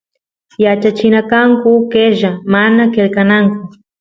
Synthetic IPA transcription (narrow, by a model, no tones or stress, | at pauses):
jat͡ʃat͡ʃɪnakaŋkʊkeʒamanakelkanaŋkʊ